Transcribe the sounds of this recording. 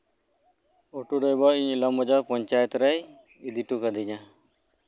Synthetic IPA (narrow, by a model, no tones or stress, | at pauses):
oʈuɖɔjbɔiɲilamɔd͡ʒaɾpɔɲt͡ʃajɛt̪ɾɛj | id̪iʈukad̪iɲa